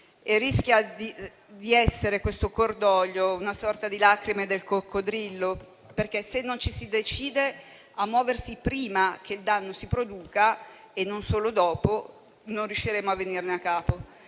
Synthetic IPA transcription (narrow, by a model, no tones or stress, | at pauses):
erːisk̟jad̪i | d̪iɛsːeɾekwest̪okord̪ɔʎːounasɔrt̪ad̪ilakɾimed̪elkokːod̪ɾilːo | perkesenːont͡ʃisid̪et͡ʃiːd̪e | amːwɔːversipɾiːmak̟ʰeild̪anːosipɾod̪uːka | enːonsoːlod̪ɔːpo | nonrjuʃːiɾeːmoavːenirneakːaːpo